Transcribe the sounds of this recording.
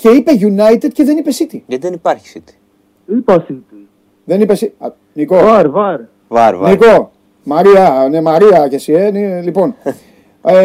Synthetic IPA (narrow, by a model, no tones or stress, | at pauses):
ce̞ipe̞ʝunɐjt̪ed̪̥̚ceðe̞nipesit̪ijɐt̪ðenipɐɾçi̥sit̪i̥ | ipɐsit̪i | ðe̞nipe̞si | nikoaɾvɐɾ | va̰ɾvniko̞ | mɐɾiɐnemɐɾiɐcesienilipo̞n | e